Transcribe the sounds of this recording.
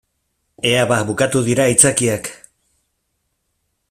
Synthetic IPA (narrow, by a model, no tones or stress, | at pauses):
e̞aβabukat̪uðiɾait͡sakiak